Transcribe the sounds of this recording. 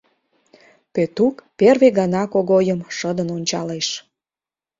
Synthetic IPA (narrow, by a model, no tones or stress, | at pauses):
pet̪ukperβeɣɑnɑkoɣojəmʃəd̪ənonʲt͡ɕɑleʃ